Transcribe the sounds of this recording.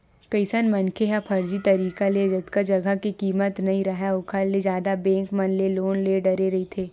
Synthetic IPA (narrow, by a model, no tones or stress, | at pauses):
kɐɪsənmɐnkʰeɦapʰɐɾd͡ʒit̪ɐɾiːkaled͡ʒɐt̪kad͡ʒɐɡʱəkikiːmət̪nɐɦĩɾɐɦaʊkʰalled͡ʒjaːd̪abɛ̃ːŋkmɐnleloːnleɖɐɾeɾɐɦit̪ʰeː